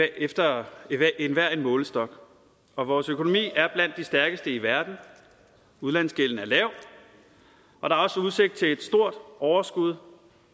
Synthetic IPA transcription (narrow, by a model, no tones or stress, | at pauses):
efd̥ɐ | enʋæɐ̰e̝nmɔ̽ːləsd̥ɒ̽ɡ̥ | ɒ̽ʋɒːsøkʰo̝no̝mḭːæɐb̥læn̰d̥isd̥æɐɡ̥əsd̥əiʋæɐd̥n̩ | uðˠlæn̰sɡ̥eln̩æɐlɛʊ̰ | ʔɒ̽d̥ɑ̈ɐɒ̽səuð̞ˠse̝ɡ̥̚d̥̚t͡sʰe̝le̝d̥sd̥o̝ɐ̰d̥ɒʊɐsɡ̥uð̞ˠ